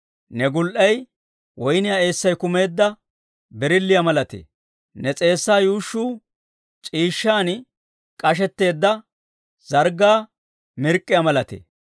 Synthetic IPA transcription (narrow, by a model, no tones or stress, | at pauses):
nɛɡʊlʔɐj | wɔjnɪjaːe̞ːsːɐjkʊme̞ːd̪ːɐ | bɛɾɪlːɪjamɐlɐt̪ḛ | nɛt͡sʼe̞ːsːaːjuːʃːuː | t͡ʃʼiːʃːaːn | kʼɐʃ̬ɛt̪ːe̞ːd̪ːɐ | z̥ɐɾɡaː | mɪɾkʼːɪjamɐlɐt̪ḛ